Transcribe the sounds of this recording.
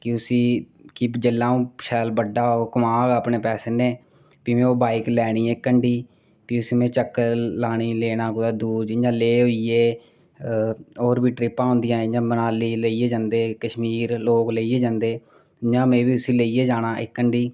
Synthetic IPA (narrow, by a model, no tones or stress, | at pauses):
kɪʊsiː | kid͡ʒəlːãːũːʃɛːlbəɖaːoːkəmaːɡaːpɳeːpɛːseːnẽː | piːmẽːoːbaːiklɛːɽ̃iːɛːkːəɳɖiː | piːʊsiːmẽːt͡ʃəkːəlaːɽ̃iːleːnãːkʊd̪aːd̪uːd͡ʒd͡ʒãːleːɦoieː | ɔːɾbiːʈɾɪpːãːʊ̃ːnd̪ɪjãːd͡ʒãːbənaːliːleiːeːd͡ʒãːnd̪eːkəʃmiːɾloːkleːiːeːd͡ʒãːnd̪eː | d͡ʒãːmẽːʋiːʊsiːleieːd͡ʒaːɽ̃aːʔɪ̰kːəɳɖiː